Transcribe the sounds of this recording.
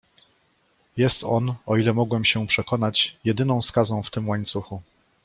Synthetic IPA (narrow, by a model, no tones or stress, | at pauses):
jɛst̪ɔnɔilɛmɔɡwɛmɕɛpʂɛkɔn̪at͡ɕjɛd̪ɘnɔ̃w̃skazɔ̃w̃ft̪ɘmwaɲt̪suxu